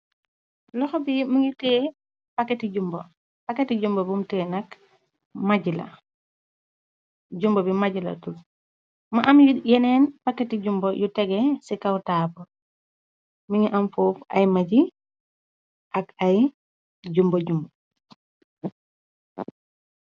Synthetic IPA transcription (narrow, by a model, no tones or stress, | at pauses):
lɔxɔbimiŋitɛː | pakːɛtiɟumbo̰ | paketiɟumbobumtɛnɐk | maɟilɐ̰ | ɟumbobimaɟilɐ̰tul | maʔamjjɛnɛːnpakːetiɟumbojutɛɡɛsikawtaːpɔ | miŋiʔamfoːfɐ̰jmaɟi | ʔɐkaj | ɟumboɟumbo